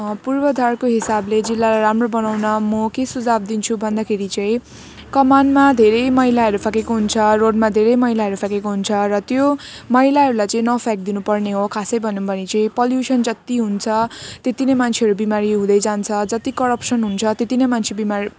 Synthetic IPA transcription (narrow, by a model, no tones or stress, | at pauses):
purbʌd̪ʱarkoɦisabled͡zilːalajɾamrobʌnawnʌmʌkesud͡zab̚d̪int͡sʰubʱʌnd̪akʰeɾit͡sʌ̃ĩ | kʌmanmad̪ʱeɾʌjmʌɦjlaɦʌɾupʰakekoɦunt͡sʰʌroɖmad̪ʱeɾʌjmʌɦilaɦʌɾupʰakekoɦunt͡sʰʌrʌt̪jomʌɦilaɦʌɾulajt͡sʌ̃ĩnʌpʰak̚d̪inupʌrneɦokʰasʌjbʱʌnːumbʱʌnit͡sʌĩpʌljusʌnd͡zʌt̪iɦunt͡sʰʌt̪et̪inʌjmant͡sʰeʌɾubimaɾiɦũd̪ʌjd͡zant͡sʰʌd͡zʌt̪ikʌɾʌpsʌnɦunt͡sʰʌt̪et̪inʌjmant͡sʰebimaɾi